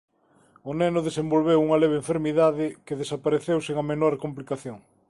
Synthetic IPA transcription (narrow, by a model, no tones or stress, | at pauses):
ʊnɛnʊðesembolβ̞ewuŋɐleβeɱfeɾmiðaðɪkeðesapaɾeθewseŋɐmenoɾkomplikaθjoŋ